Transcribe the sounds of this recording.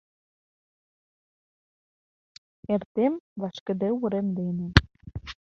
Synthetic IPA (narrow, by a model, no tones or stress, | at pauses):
ert̪emvɑʃkə̆d̪ĕuɾemd̪enĕ